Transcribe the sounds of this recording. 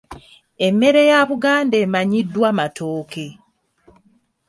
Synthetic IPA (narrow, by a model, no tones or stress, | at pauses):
e̞mːe̞ɾe̞jaβuɡaːndeːmaɲidːwamato̞ːke̞